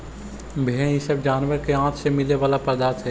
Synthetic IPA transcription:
bʱeɛ̃isəbd͡ʒaːnʋəɾkeãːt̪ʰsemɪleʋaːlapɾəd̪aːt̪ɦɛː

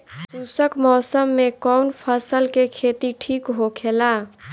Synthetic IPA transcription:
suːsəkmɔːsəmːekɔwnpʰəsəlkekʰeːt̪iʈʰiːkɦokʰela

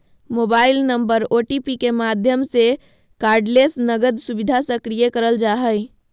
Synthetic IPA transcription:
mobailnəmbəɾoʈipikemad̪ʱjəmse | kaːɾɖlesnəɡəd̪subid̪ʱasəkɾijəkəɾəld͡ʒaɦəj

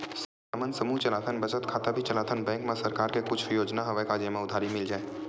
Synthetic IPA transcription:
sə | aːmənsɐmuːt͡ʃɐlaːt̪ʰənbɐt͡ʃət̪kʰaːt̪abʱit͡ʃɐlaːt̪ʰənbɛ̃ːŋkmẽsɐɾkaːɾkekʊt͡ʃʰjoːd͡ʒnaɦɐʋəkaːd͡ʒemãʊd̪ʱaːɾimɪld͡ʒaːeː

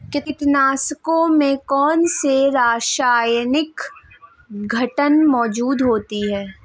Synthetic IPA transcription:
kɪt̪ɪt̪naːskõmẽkɔːnseɾaːʃaːjnɪk | ɡʱɐʈənmɔːd͡ʒuːd̪ɦoːt̪iɦɛː

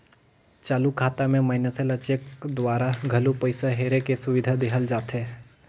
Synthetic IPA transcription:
t͡ʃaːlukʰaːt̪amẽmɐɦɪnəselət͡ʃekd̪waːɾaɡʱɐlupəɪsaɦeːɾekesʊʋɪd̪ʱad̪eɦəld͡ʒaːt̪ɦeː

